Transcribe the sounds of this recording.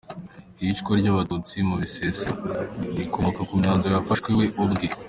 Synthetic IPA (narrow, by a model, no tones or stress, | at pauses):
iit͡ʃkoɾɟaβatut͡simuβisesanikomokakumɲaːnziɾafaʃkweweʔubɡi